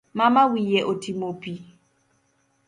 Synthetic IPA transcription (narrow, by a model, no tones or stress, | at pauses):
mamawijɛʔotimopi